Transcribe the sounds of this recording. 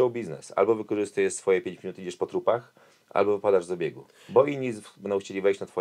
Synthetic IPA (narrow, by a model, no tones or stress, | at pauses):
ɔwbʲiznɛ̰sa̰lbɔvɘkɔʐɘst̪ujɛʂsfɔjɛpʲjẽɲt͡ɕmʲinut̪ɘid͡ʑɛʂpɔt̪ɾupax | ʔa̰lbɔvɘpad̪aʐvzabʲjɛɡu | bɔʔiɲːibɛnɔ̃wxt͡ɕelʲivɛjɕt͡ɕnat̪fɔ